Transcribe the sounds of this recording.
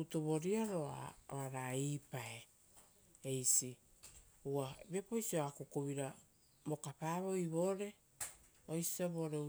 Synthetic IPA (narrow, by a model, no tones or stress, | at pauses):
utoβo̞ɾiaɾo̞a̰oaɾaipae̞ | ejsi | uabe̞po̞jsioakokoβiɾa | bo̞kapaːβo̞jβo̞ːɾe̞ | ojsi̥aβo̞ːɾe